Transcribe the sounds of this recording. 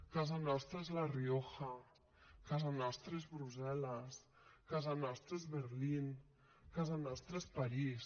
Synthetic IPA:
kazanɔst̪ɾaezlarioxa | kazanɔst̪ɾezβɾuzɛlas | kazanɔst̪ɾezβeɾlin | kazanɔst̪ɾespaɾis

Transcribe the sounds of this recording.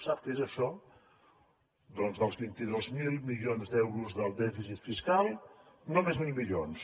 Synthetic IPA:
sap̚kəezəʃɔ | d̪ɔnzðəlˠzβint̪iðozmilˠmiʎonzd̪ɛwɾuzðəlˠd̪ɛfisit̪fiskalˠnomezmilˠmiʎons

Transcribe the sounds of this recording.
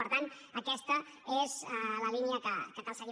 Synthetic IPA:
əɾt̪an | əkɛst̪ə | ezləliniəkəkət̪əlsəɣi

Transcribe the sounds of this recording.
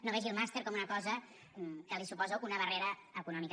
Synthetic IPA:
noβɛʒilˠmast̪eɾkɔmunəkɔzə | m̩kəlisupɔzounəβəreɾəːkunɔmik

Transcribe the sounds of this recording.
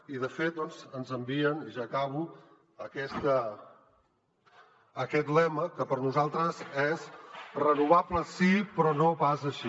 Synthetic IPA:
iðəfet̪̚d̪ɔnzənzəmbiəniʒakaβu | əkɛst̪ə | kɛt̪lɛməkəpəɾnuzalˠt̪ɾəzɛzrənuβabləsipɾɔnopazəʃi

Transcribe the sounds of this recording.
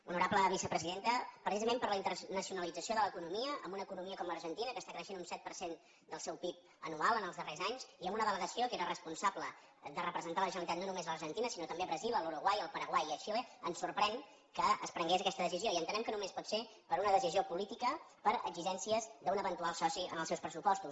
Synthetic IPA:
unuɾabləβisəpɾəziðent̪əpɾəsizəmẽmpəɾləint̪əɾnəsiunəlid͡zəsioðələkunumiəʔə̰mbunəːkunumiəkɔmləɾʒənt̪inəkəst̪akɾəʃenunsɛt̪̚pəɾsen | d̪əlˠsɛwpip̚ | ənualˠənəlˠzðərezaɲsiəmbunəðələɣəsiokeɾərəspunsablə | d̪ərəpɾəzənt̪aləʒənəlit̪at̪nonumezləɾʒənt̪inəsinot̪əmbeəβɾəzilˠəluɾuɣwajəlˠpəɾəɣwajəʃileənsurpɾɛŋ | kəəspɾəŋɡezəkɛst̪əðəsizioiənt̪ənɛmkənumespɔt̪se | pəɾunəðəsiziopulit̪ikə | pəɾə̰ɡziʒɛnsiəzd̪əunəβənt̪ualˠsɔsiə̰nəlˠsɛwspɾəsupɔst̪us

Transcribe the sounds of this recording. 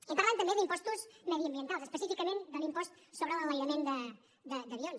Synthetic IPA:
əmp̪əɾant̪əmbedimpɔst̪uzməðiəmbiənt̪alˠsəspəsifikəmend̪onimpɔst̪ | soβɾəlˠələjɾəmend̪ə | d̪əd̪əβions

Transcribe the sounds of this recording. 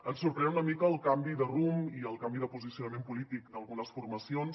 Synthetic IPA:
ənsuɾpɾɛnunəmikəːlˠkambiðərumiəlˠkambiðəpuzisiunəmempulit̪ikd̪əlˠɣunəsfurməsions

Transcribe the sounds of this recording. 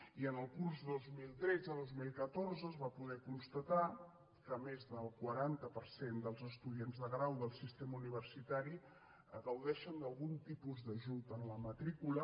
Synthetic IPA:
iənəlˠkurzðozmilˠt̪ɾɛd͡zəðozmilˠkət̪orzəzβapuðɛkunst̪ət̪a | kəmezðəlˠkwəɾant̪əpəɾsend̪əlˠzəst̪uðienzðəɣɾawðəlˠsist̪eməuniβ̞ərsit̪aɾi | əɣəwðɛʃənd̪əlˠɣunt̪ipuzðəʒut̪ənləmət̪ɾikulə

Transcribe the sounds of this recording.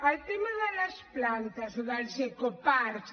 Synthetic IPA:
alt̪emaðalasplant̪asoðalsekopaɾ

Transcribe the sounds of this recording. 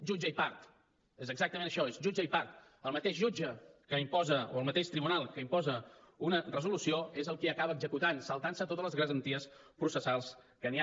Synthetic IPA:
ʒud͡ʒəipaɾt̪ | ezəɡzak̚t̪əmenəʃɔezʒud͡ʒəipaɾt̪ | əlˠmət̪eʃʒud͡ʒəkəimpɔzəoəlˠmət̪eʃt̪ɾiβunalˠkəimpɔzə | unərəzulusioezəlˠkiəkaβəːɡzəkut̪ansəlˠt̪ansət̪ot̪əzləzɣɾəzənt̪iəspɾusəsalˠs | kənia

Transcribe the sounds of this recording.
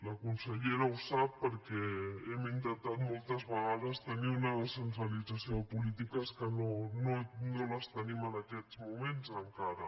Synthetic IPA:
lakunseʎeɾausapːəɾkeemint̪ent̪at̪molt̪azβaɣaðast̪eniunaðesent̪ɾalit͡sasjopulit̪ikaskənononolast̪enimanakɛt̪smumẽnsaŋkaɾa

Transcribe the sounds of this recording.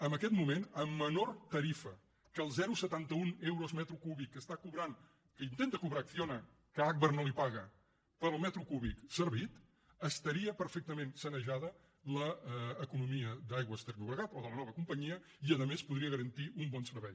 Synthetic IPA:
əmbəkɛt̪mumenəmːənort̪əɾifə | kəːlˠzɛɾusət̪ant̪əunɛwɾozmɛt̪ɾukuβikːəst̪akuβɾan | kəint̪ent̪əkuβɾaːkθionə | kəak̚βərnolipaɣə | pəɾəlˠmɛt̪ɾukuβiksəɾβit̪ | əst̪əɾiəpəɾfɛk̚t̪əmẽnsənəʒaðə | ləːkunumiəd̪ajɣwəst̪ɛrnuβɾəɣat̪ɔðələnɔβəkumpəɲiə | iəðəmespuðɾiəɣəɾənt̪iʔumbɔnsəɾβɛj

